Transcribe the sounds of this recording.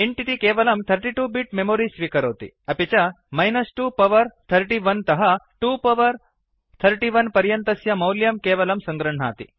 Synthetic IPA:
eɳʈit̪ikeːʋɐlɐmt̪ʰɐɾʈiʈuːbiʈmemoːɾisʋiːkɐɾoːt̪ḭ | ɐpit͡ʃa | mɐjnɐsʈupɐʋɐɾt̪ʰɐɾʈiʋɐnt̪ɐɦɐʈuːpɐʋɐɾ | t̪ʰɐɾʈiʋɐnpɐɾjɐnt̪ɐsjɐmɐwljɐmkeːʋɐlɐmsɐŋɡɾɐɳ̤a̰ːt̪ḭ

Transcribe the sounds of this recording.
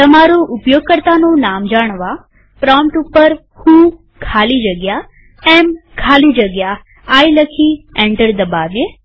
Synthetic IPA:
t̪əmaɾoʔʊpjoɡ̚kəɾt̪anõnamd͡ʒaɳ̃ʋa | pɾɔmʈupːəɾ | hũ | kʰalid͡ʒəɡja | ɛmkʰalid͡ʒəɡjaː | jləkʰiẽɳʈəɾd̪əbaʋje

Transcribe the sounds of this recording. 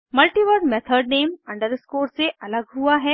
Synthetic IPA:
mɐlʈiʋəɾɖmɛt̪ʰəɾɖneːmɐ̃ɳɖəɾɪskoːɾseʔɐləɡɦuaɦɛː

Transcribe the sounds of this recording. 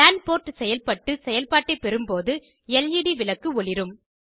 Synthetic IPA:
laːɳpoːɾʈsɛjɐlpɐʈːɯsɛjɐlpaːʈːɐɪpːɛɾɯmpoːðɯ | ɛljiɽiʋɪlɐkːɯɔɭɪɾɯm

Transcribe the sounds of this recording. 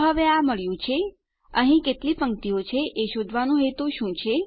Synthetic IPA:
ɦəʋeaməɭjũt͡ʃʰe | ə̰ɦĩket̪lipəŋkt̪iot͡ʃʰeʔeʃod̪ʱʋanũɦet̪ũʃũt͡ʃʰe

